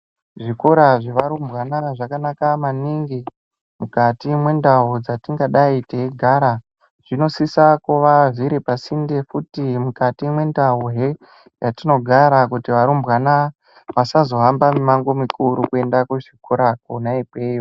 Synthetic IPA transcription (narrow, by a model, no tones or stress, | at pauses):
ʐikoɾaʐeʋaɾumbwanaʐakanakamaniŋɡi | mukatimwe̞ndaɦud͡zatiŋɡaɗaiteeɡʱaɾa | ʐ̥ino̞sisakoʋaʐiɾepasindefutimukatimwe̞ndaɦuɦe | jatino̞ɡʱaɾakutiʋaɾumbwana | ʋasazo̞ɦambamemaŋɡo̞mikʰuɾukue̞ndakuʐikoɾakonaipweːjo